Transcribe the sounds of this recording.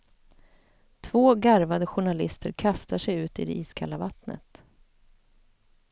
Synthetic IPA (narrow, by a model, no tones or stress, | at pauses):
t̪ʰvoːɡaɾvad̪əɧʊɳalɪst̪ʰəɾkʰast̪aʂɛjʉ̟ːt̪ɪ̰d̪ɛ̰ʔiːskʰa̰lːavat̪nə̰t̪